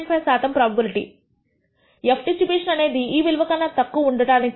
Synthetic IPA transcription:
mpɐsaːt̪ɐmpɾɐbɐbiliʈḭ | epʰʈisipeːʂɐnɐne̞ːd̪iiːʋilʋɐkɐnːɐt̪ɐkːuɐuɳɖɐʈaːni

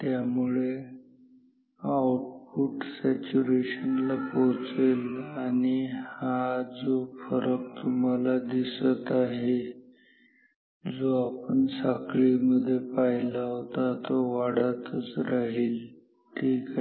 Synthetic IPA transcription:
t̪jamuɭe | awʈfuʈsɛt͡ɕuɾeɕənlapot͡selanihad͡zofəɾək̚t̪um̤alad̪isət̪aɦe | d͡zoapəɳsakɭiməd̪ʱːjepailaɦot̪at̪oʋaɽ̤at̪ət͡sɾaɦiːl | tik

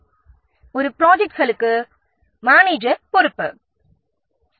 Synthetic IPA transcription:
ɔɾɯpɪɾoːd͡ʒɛk̚ʈɣɐɭɯkːɯ | maːneːd͡ʒɐpɔɾɯpːɯ

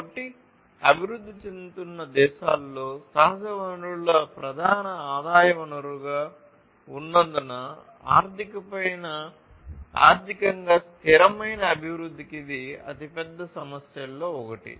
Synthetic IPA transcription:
ɐʈːi | ɐbʱiɾud̪ːit͡ʃend̪ut̪unːɐd̪ɛːʃaːlːo̞ːsɐɦɐd͡ʒɐʋɐnɾuɭɐpɾɐd̪ʱaːnɐaːd̪aːjɐʋɐɳɐɾuɡaː | unːɐnd̪ɐnɐ | a̰ːɾt̪ʰikɐpɐjnɐ | a̰ːɾt̪ʰikɐŋɡaːst̪ʰiɾɐmɐjnɐːbʱiʋɾud̪ʱːikid̪iɐ̰t̪ipɛd̪ːɐsɐmɐsjɐlːo̞ːɔkɐʈḭ

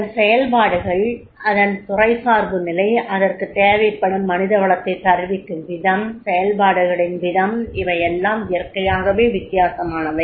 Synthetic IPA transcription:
sɛjɐlpaːɽɯɣɐɭ | ʔɐðɐnt̪ʊrɐɪsaːɾbɯnɪlɐɪʔɐðɐrkɯt̪eːʋɐɪpːɐɽɯmːɐnɪðɐʋɐɭɐt̪ːɐɪt̪ːɐɾʋɪkːɯmʋɪðɐmsɛjɐlpaːɽɯɣɐɽɪnʋɪðɐmɪʋɐjɛlːaːmɪjɐrkːɐjaːɣɐʋeːʋɪt̪ːɪjaːsɐmaːnɐʋɐ

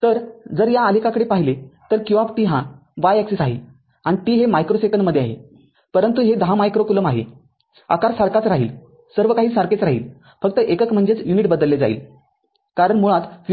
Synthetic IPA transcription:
t̪əɾd͡zəɾjaəlikakəɽepaɦilet̪əɾkjuʋab̚t̪iɦãʋajɛksisaɦḭːl | ãit̪iːɦemajkɾosekənməd̪ʱːeaɦḛ | pəɾənt̪uɦed̪əɦãmajkɾokuləmaɦḛ | a̰kaɾsaɾkat͡sɾaɦḭːl | səɾʋəkaɦiːsaɾket͡sɾaɦḭːl | fək̚t̪əʔekəkm̤əɳd͡zet͡sjuniʈ̚bəd̪əlːed͡zaḭːl | kaɾəɳmuɭat̪f

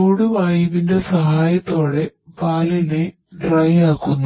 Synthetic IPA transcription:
oːɽumaːjiʋinde̞sɐɦaːjɐt̪ːo̞ːɽe̞paːlile | ɖrɐjaːkːunːu

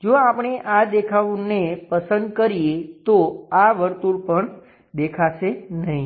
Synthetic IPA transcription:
d͡ʒoapɳ̃eʔad̪ekʰaʋũnepəsənd̪kəɾiet̪oaʋəɾt̪uɽpəɳ | d̪ekʰaʃenəɦĩ

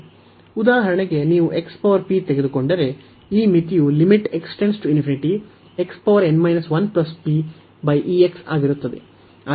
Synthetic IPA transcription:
ud̪aːɦɐɾɐɳeɡe̞niːʋuʔe̞kspɐʋɐɾpit̪eɡe̞d̪uko̞ɳɖɐɾe̞ | iːmit̪ijulimiʈe̞ksʈensʈuinfʰiniʈi | e̞kspɐʋɐɾe̞nmɐjnɐsʋɐnplɐspi | bɐjʔieksa̰ːɡiɾut̪ːɐd̪ḛ | ɐ

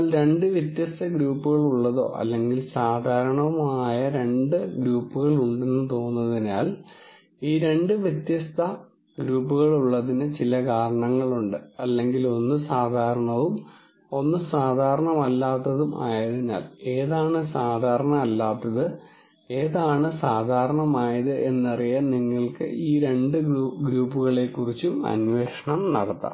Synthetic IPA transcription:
lɾe̞ɳɖɨʋjɐt̪jɐst̪ʰɐɡɾuːpːuɣɐɭuɭːɐðo̞̰ːʔɐ̰lːe̞ŋɡilsaːd̪ʱaːɾɐɳɐʋumaːjɐɾe̞ɳɖɨɡɾuːpːuɣɐɭuɳɖe̞nːɨt̪o̞ːnːɐðinaːl | iːɾe̞ɳɖɨʋjɐt̪jɐst̪ʰɐ | ɡɾuːpːuɣɐɭuɭːɐðinɨt͡ɕilɐkaːɾɐɳɐŋːɐɭuɳɖɨɐlːe̞ŋɡilo̞nːɨsaːd̪ʱaːɾɐɳɐʋum | o̞nːɨsaːd̪ʱaːɾɐɳɐmɐlːaːt̪ːɐðuma̰ːjɐðenːa̰ːle̞ːðaːɳɨsaːd̪ʱaːɾɐɳɐmɐlːaːt̪ːɐðɨ | e̞ːðaːɳɨsaːd̪ʱaːɾɐɳɐmaːjɐðɨʔe̞nːɐrijaniŋːɐɭkɨ̰ʔiːɾe̞ɳɖɨɡɾuːpːuɣɐɭe̞kːurit͡ɕːumɐ̰nwe̞ːʂɐɳɐmnɐ̰ɽɐt̪ːɐ̰

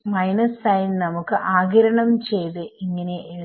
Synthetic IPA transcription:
mɐjnɐsːɐjnnɐmukːɨʔaːɡɐɾɐɳɐmt͡ɕe̞jt̪ɨʔiŋːɐneʔe

